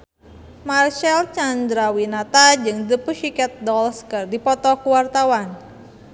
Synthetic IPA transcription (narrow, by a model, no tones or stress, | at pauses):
marʃalt͡ʃand̪ɾawinat̪ad͡ʒɨŋdəpuʃikɛt̪̚dɔlskɨrdipɔt̪ɔkuwart̪awan